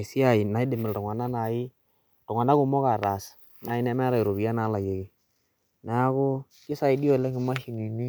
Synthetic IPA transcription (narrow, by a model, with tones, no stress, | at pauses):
si˦a˨i˨na˨i˦dɪ˨mɪ˨ltɔ˨ŋwa˨na˦na˨ɪ˦ | tɔ˨ŋ˨a˨na˦kʊ˦mɔ˦ka˨ɾa˨s | na˨i˦nɛ˦mɛ˦ɾa˨i˨ɾo˨bi˨˦a˦na˨˦la˨je˨ki˨ | na˨˦a˦kʊ˦ | kɪ˦sa˦i˨di˦ɔ˦˨lɛ˦kɪ˨ma˦hi˨ni˨ni˦